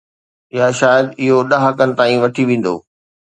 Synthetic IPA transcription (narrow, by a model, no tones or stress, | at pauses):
ɪjaʃaːjəd̪ɪɦoɗɐɦɐkənɪ̆t̪aːĩʋɐʈʰiʋẽːn̆d̪o̰ː